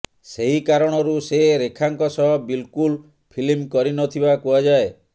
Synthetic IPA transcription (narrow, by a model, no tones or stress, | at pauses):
seɦikaɾɔɽ̃ɔɾuseɾekʰaŋkɔsɔɦɔbilkul | pʰilimkɔɾinɔt̪ʰibakuad͡ʒae